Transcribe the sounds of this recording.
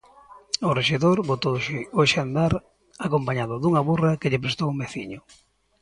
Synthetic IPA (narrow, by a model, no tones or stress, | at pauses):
ʊreʃeðoɾβot̪owʃeoʃand̪aɾ | akompaɲaðʊðuŋaβurɐkeʎɪp̬ɾest̪owumbeθḭɲʊ